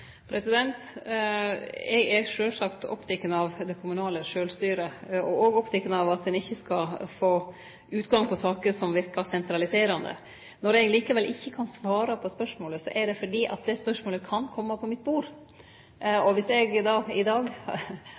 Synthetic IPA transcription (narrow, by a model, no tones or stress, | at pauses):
pʰɾɛsɪd̪ɛnt̪ | ɛ̰ɡɛʂøːlsɑkt̪ɔ̰pːt̪ʰɛkːənɑʋd̪ɛkʰʊmʉnɑːləʂøːlst̪yːɾəɔɔɡɔpt̪ʰɛkːənəɑʋɑt̪̚d̪ɛnɪçːəskɑfoː | ʉːt̪ɡɑŋpʰɔsɑːkəɾsɔmʋɪɾkɑsɛnt̪ɾɑlɪseːɾɑnd̪ə̰ | nɔɾɛɡliːkəʋɛlʔɪçːəkʰɑnsʋɑːɾɑpʰɔspœʂmoːləsɔʔɛɖɛfɔɖiːʔɑ̰t̪̚d̪ɛspœʂmoːləkʰɑnkʰɔmːɑpʰɔmɪt̪̚ːbuːɾ | ɔʋɪsɛɡd̪ɑːɪd̪ɑːɡ